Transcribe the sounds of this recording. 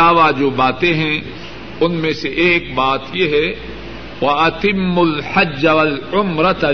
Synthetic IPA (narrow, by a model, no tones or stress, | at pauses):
aːʋad͡ʒoːbaːt̪ẽɦɛ̃ | ʊnmẽseʔeːkbaːt̪jeɦɛ | wɐɐt̪ɪmːʊlħɐd͡ʒːɐwɐlʊmɾɐt̪